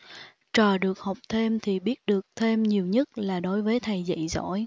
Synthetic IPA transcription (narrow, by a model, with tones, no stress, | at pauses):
t͡ɕɔː˨˩ɗɨ˨˩ək̚ha˨˩wk͡p̚t̪ʰe˧mt̪ʰi˨˩ɓi˦˥ət̚ɗɨ˨˩ək̚t̪ʰe˧mɲi˨˩əwɲə˦˥t̚laː˨˩ɗo˨˦jvəː˨˦jt̪ʰa˨˩jzə̰˧˨jzɔ̰˧˥j